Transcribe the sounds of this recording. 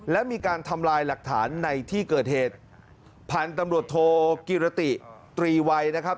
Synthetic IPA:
lɛ˦˥miː˧kaː˧nt̪ʰa˧mlaː˧jla˨˩k̚t̪ʰa̰ː˩˦nːa˧jt̪ʰiː˥˩kɤː˨˩t̪̚heː˨˩t̪̚ | pʰaː˨˩nt̪a˧mɾu˨˩ət̪ʰːoː˧ki˨˧ɾa˧t̪i˨˩t̪ɾiː˧wa˧jna˦˥kʰa˦˥p̚

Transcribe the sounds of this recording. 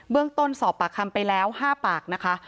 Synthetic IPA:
bɯ˥˩əŋt̪o˥˩nsɔː˩˦pːaː˨˩kʰa˧mpa˧jlɛː˦˥whaː˥˩paː˨˩k̚na˦˥kʰa˦˥

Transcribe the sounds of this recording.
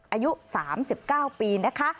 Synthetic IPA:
ʔaː˧ju˦˥saː˩˦msi˨˩p̚kaː˥˩wpiː˧na˦˥kʰa˦˥

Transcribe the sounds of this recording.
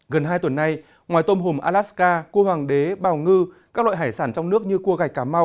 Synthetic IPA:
ɣə˨˩nɦaː˧jt̪wə˨˩nːa˧j | ŋwaː˨˩jt̪o˧mɦo˨˩mʔaː˧laː˦˥t̚skaː˧ko˧hwaː˨˩ŋɗe˨˦ɓaː˨˩wŋɨ˧kaː˦˥k̚lw̰ːɦaː˧˩jsaː˧˩nt͡ɕɔ˧wŋ͡mnɨ˦˥ək̚ɲɨ˧ku˧əɣa˨˩jk̚kːaː˧˩ma˧w

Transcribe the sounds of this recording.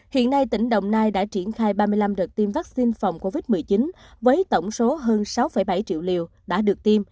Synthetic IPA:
hḭ˧˨ənːa˧jt̪ï˧˩ŋ̟ɗə̰˧˨wŋ͡mnaː˧jɗa̰ː˧˥t͡ɕi˧˩ənxaː˧jɓaː˧mɨ˧əjla˧mɗə˨˩t̪i˧mvaː˦˥k̚si˧nfa˨˩wŋ͡mko˧vi˦˥t̚mɨ˨˩əjt͡ɕi˨˦nvəː˨˦jt̪ə˧˩wŋ͡mso˨˦ɦəː˧nsa˨˦wfə˧˩jɓa˧˩jt͡ɕḭ˧˨əwlḭ˧˨w | ɗa̰ː˧˥ɗɨ˨˩ək̚t̪i˧m

